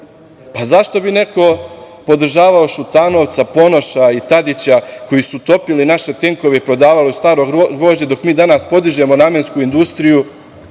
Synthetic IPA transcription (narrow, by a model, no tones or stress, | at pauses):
pazaʃt̪o̞bine̞ko̞ | po̞d̪r̩ʒaːʋaoʃut̪ano̞ʋt̪sapo̞no̞ʃait̪ad̪it͡ɕako̞jisut̪o̞pilinaʃe̞t̪e̞ŋko̞ʋeipɾo̞d̪aːʋaliust̪aːɾo̞ɡɡɾo̞ːʒɲed̪o̞kmiːd̪anaspo̞d̪iʒe̞mo̞namenskuind̪ust̪ɾiju